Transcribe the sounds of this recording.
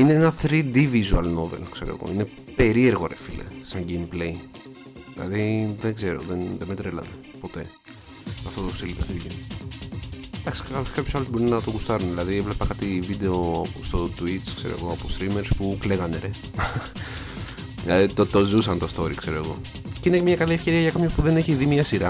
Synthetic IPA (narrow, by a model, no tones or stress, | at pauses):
ineenɐθɾid̪ivizuɐlno̞vḛlkse̞ɾoḛɣo̞̰ine | pe̞ɾie̞ɾɣo̞ɾefilḛsɐɲɟejmplej | ðilɐ̰ðiðeŋɡze̞ɾo̞̰ðenðemet̪ɾelɐ̰ne | po̞t̪e̞ | ɐft̪ot̪ost̪ilipoθiin | d̪ɐksi̥ɐpkɐpçosɐlozbo̞ɾunɐt̪oɣust̪ɐɾunðilɐðievlepɐkɐt̪ivid̪e̞oost̪ot̪uit͡skseɾo̰eɣo̞ɐpost̪ɾimeɾspukleɣɐneɾe | ilɐðit̪ot̪ozusɐnt̪ost̪o̞ɾikse̞ɾo̞eɣo̞̰ | ceinemɲɐkɐliefce̞ɾiɐʝɐkɐpmçopuðe̞ne̞çiðimɲɐsiɾɐ